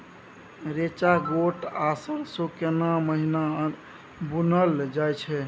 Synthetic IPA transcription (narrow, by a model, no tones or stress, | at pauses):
ɾet͡ʃaɡoʈasəɾsokenaməɦina | bunəld͡ʒajt͡ʃʰɛ